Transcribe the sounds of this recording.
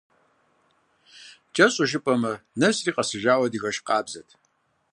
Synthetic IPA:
t͡ʃʼɐɕʼʊʒɪpʼɐmɐnɐsriːqʼasɨʒaːwɐdiɣɐʃqʼaːbzɐtʼ

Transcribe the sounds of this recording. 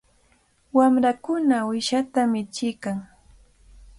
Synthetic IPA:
wamɾakʊnawɪʃat̪amɪt͡ʃɪkaŋ

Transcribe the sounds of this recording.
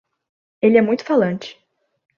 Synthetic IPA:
elɪɛmũj̃t̪ʊ̥falɐ̃nt͡ʃɪ̥

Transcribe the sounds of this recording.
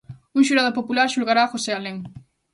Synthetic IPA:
uŋʃuɾaðopopulaɾʃulɣaɾaːxosealeŋ

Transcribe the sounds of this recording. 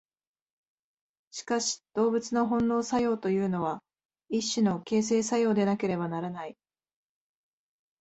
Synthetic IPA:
ɕi̥kaɕi̥d̪̥o̞ːbɯ̟t͡sɨno̞ɦõ̞nːo̞ːsajo̞ːt̪o̞jɯ̟ːno̞β̞a | iɕːɨno̞ke̞ːs̬e̞ːsajo̞ːd̪e̞nake̞ɾe̞banaɾanai

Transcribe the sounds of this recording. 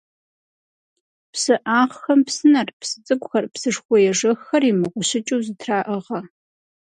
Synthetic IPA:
psɨʔaːʁxɐmpsɨnɐrpsɨt͡sʼɨkʷʊxɐrpsɨʂxʷɔjɛʐɐxːɐrimɨʁʷʊɕɪt͡ʃʼuwzɨtʰraːʔəʁɐ

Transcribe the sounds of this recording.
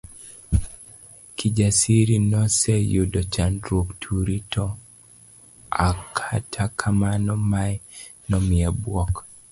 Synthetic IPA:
kʰid͡ʒasiɾinɔsejudɔt͡ʃandɾoktʰuɾitʰɔ | akʰatʰakʰamanɔmaj | nɔmɪabwɔk

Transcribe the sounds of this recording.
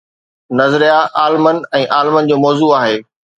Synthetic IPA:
nɐzɾijaʔaːlmənɛ̃ːʔaːlmənd͡ʑoːmɔːzuːaːɦeː

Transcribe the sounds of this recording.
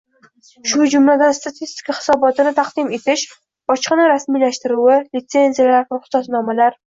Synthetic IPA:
ʃʊd͡ʒʊmlad̪anst̪ʰat̪ʰist̪i̥kʰahɪ̥sɒbɒt̪ɪnɪt̪ʰaqd̪ɪme̞t̪ʰɪʃ | bɒt͡ʃqɨnaɾasmijlaʃt̪ɪɾuwɪlɪt̪se̞nzijalaɾvaχʊ̥sɒsnɒmalaɾ

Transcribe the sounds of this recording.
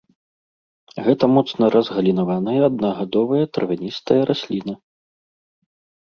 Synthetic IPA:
ɣɛt̪ɐmɔt̪snɐɾʔɐzɣɐlʲinavanɨjɐɐd̪̚nɐɣad̪ɔvɐjɐt̪ɾvʲanʲist̪ɐjɐɾʔasʲlʲinɨ

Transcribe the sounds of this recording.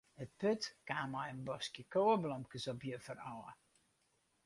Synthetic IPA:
ət̚pøtkaːmajənbɔskjəkoːəblɔmkəsɔpjəfərɔːə

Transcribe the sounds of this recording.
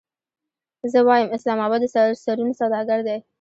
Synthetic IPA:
zəwɑjəmɪslɑmɑbɑd̪ːəsasaɾunosawd̪ɑɡaɾd̪e

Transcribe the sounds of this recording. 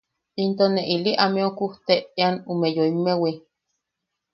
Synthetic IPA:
int̪oneʔiliʔameokuht̪eianumejoimewi

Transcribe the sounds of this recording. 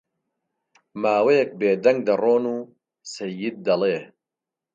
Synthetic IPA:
maːwɐjɐk̚beːd̪ɐŋɡ̚d̪ɐroːnuː | sɐjːɪd̪̚ːɐlˠeː

